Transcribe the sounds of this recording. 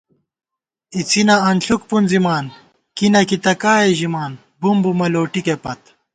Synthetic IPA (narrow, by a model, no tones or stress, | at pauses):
it͡sinɐɐnɬukpunzimaːn | kinɐkit̪ɐkaːeʑimaːn | bumbumɐloːʈikepɐt̪